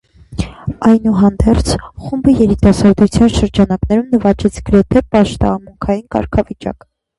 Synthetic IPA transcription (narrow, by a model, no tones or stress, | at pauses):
ɑjnuɦɑnd̪ɛɾt͡sʰχumbəjɛɾit̪ɑsɑɾd̪ɾut͡sʰjɑnʃəɾd͡ʒɑnɑknɛɾumnəvɑt͡ʃɛt͡sʰɡəɾɛt̪ʰɛpɑʃt̪ɑ̰ːmuŋkʰɑjinkɑ̰ɾkʰɑvit͡ʃɑ̰k